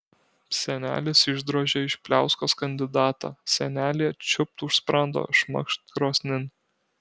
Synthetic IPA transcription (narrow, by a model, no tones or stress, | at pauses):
sʲɛnʲæ̰ːlʲɪsɪʒd̪ɾoːʒʲɛɪʃpʲlʲæˑʊskoːskɐnʲd̪ʲɪd̪ɑːt̪ɑ̰ːsʲɛnʲæːlʲiɛt͡ʃʲʊp̚t̪ʊʃspɾɑnd̪o̰ːʃmɐ̰kʃt̪kɾoːsʲnʲɪn